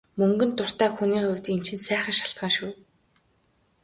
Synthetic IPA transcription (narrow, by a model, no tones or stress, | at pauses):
mɵŋɡɵ̆nt̪ːʊr̥t̪æːkxuniːχʊwʲt̪en̥t͡ɕʰɪ̆nsæːχə̆ʃḁɬt̪ɢăːŋʃuː